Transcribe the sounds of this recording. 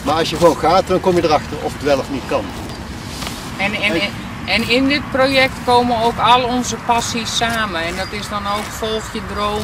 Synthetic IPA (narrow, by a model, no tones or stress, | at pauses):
maːɹɑlˠsjəɣəʋownɣaːtdɑnkɔmjədərɑxtərɔ̰fətʋɛlˠəfnitkɑn | ɛn | ɛnɪndɪt̚projɛk̚tkoːmənowkɔlˠəɔnzəpasisːaːmənɛndɔtɪsdɔnowkfɔlˠxjədroː